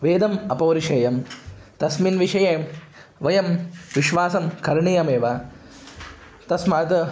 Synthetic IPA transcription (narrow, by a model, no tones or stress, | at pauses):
ʋeːd̪ɐmɐpɐːɾiʂɐjɐmt̪ɐsminʋiʂɐjeː | ʋɐjɐmʋiʃʋaːsɐmkʰɐɾɳijɐmeːʋa | t̪ɐsmɐt̪